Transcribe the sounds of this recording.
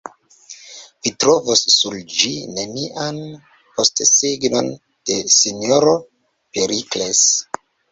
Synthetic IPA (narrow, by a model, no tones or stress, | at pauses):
vitɾovosːuld͡ʒineniʔan | postsiɡno̞̰n | d̥e̞sinoɾo | peɾikles